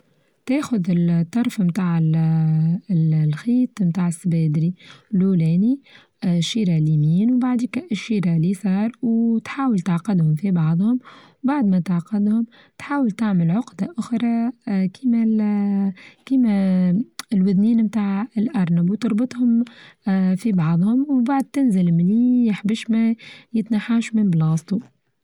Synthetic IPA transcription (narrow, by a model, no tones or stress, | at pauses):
t̪eːxʊðɪlt̪ˤːɑɾˤfmt̪aːʕɪ | lxiːt̪mt̪aːʕɪsːbɛːd̪ɾilulɛːni | ʃiːɾalimiːnwbaʕd̪iːkæʔɪʃːiːɾalisˤɑːɾˤwt̪ħaːwəlt̪aʕqɑd̪hʊmfibɑʕðˤhʊmwbaʕd̪mæt̪aʕqɑd̪hʊm | t̪ħaːwəlt̪aʕməlʕʊqd̪aʔʊxɾˤɑkʰiːmæ | kiːmæ | ɪlwɪðniːnmt̪aːʕɪlʔɑɾˤnabwt̪ɨɾˤbɨt̪ˤhʊm | fibɑʕðˤhʊmwbaʕd̪̚t̪ɪnzɪlmliːjɪħbɪʃmæjɪt̪naħaːʃmɪnblɑːsˤt̪ˤu